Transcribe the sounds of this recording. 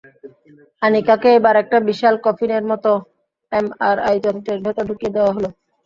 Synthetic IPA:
anikakeebaɾɛk̚ʈabiʃalkɔfʰineɾmɔt̪o | emaɾajd͡ʑɔt̪ʰiʈeɾbʱɛt̪oɖʱukijed̪eoaɦolo

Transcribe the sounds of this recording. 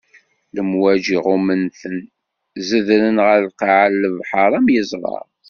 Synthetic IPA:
ləmwæd͡ʒiʁumənθən | zəðɾənʁəɾqɑʕəlːəvħəɾˤæmjəzˤɾˤɑ̰ɾˤ

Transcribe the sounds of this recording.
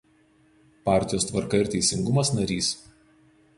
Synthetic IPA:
pɑˑɾʲt̪ʲɪjoːst̪ʋɐɾkɐɪɾt̪ʲɛɪsʲɪŋɡʊmɐsnɐɾʲiːs

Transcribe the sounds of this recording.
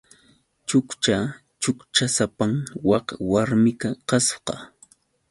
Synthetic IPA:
t͡ʃʊkt͡ʃa | t͡ʃʊkt͡ʃasapaŋwɑqwaɾmɪkaqɑsqɑ

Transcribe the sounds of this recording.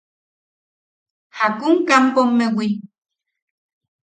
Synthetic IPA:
hakuŋkampomːewi

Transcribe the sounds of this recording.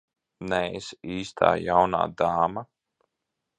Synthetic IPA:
nɛesiːst̪ʰa̰ːjawna̰ːd̪aːma

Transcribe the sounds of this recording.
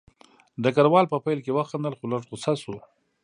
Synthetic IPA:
d̪əkaɾwɑlpəpajlkewəxand̪əlxolaʈxosasu

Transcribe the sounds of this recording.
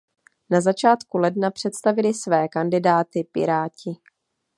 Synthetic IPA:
nazat͡ʃaːt̪kulɛdnapr̝̥ɛt̪st̪avɪlɪsvɛːkandɪdaːt̪ɪpɪ̰ɾaːcɪ

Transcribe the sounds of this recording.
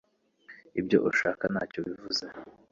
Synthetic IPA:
ibɟo̞̰ʔuʃaːkana̰ːcoβivuze

